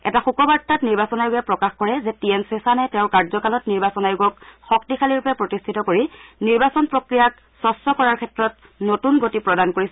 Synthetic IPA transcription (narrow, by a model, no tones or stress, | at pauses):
ɛ̰taxukɔbaɹtːatniɹbasɔnajʊɡɛpɹɔkaxkɔɹɛzɛtiensesanɛtɛ̃ʊ̃ɹkaɹzɔkalɔtniɹbasɔnajuɡɔkxɔk̚tikʰaliɹpɛpɹotistʰitɔkoɹiniɹbasɔnpɹokɹijak | sɔstɔkɔɹaɹkʰɛtɹɔt̚ | notunɡotipɹɔdankoɹisɛ